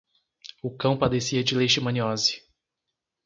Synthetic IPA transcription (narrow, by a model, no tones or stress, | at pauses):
ʊkɐ̃w̃pad̪esiɐd͡ʒɪleʃɪmɐ̃niɔzɪ̥